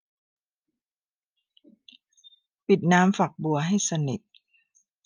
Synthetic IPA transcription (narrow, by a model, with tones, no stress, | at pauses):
pi˨˩t̪̚naː˦˥mfa˨˩k̚bu˨˩ɐɦa˥˩jsa˧ni˨˩t̪̚